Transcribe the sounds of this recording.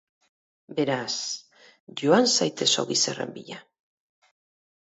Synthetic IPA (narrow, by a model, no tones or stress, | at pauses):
be̞ɾas | ʝoansajt̪e̞so̰ɣisere̞̰mbiʎa